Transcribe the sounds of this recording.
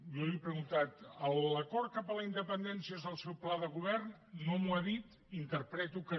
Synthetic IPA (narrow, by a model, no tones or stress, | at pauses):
jɔliepɾəɣunt̪at̪əlləkɔɾt̪̚kapələind̪əpənd̪ɛnsiəezðəlˠsɛwplaðəɣuβ̞ɛrnː | omuaðit̪ | int̪əɾpɾɛt̪ukə